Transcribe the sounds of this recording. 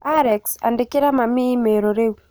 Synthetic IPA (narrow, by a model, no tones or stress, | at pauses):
aɾɛksa̰ndikiɾamamimeɾoɾewu